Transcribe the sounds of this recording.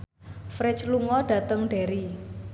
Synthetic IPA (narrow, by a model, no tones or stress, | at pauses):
fɾɛt͡ʃluŋɔɖ̥a̤t̪əŋɖeɾi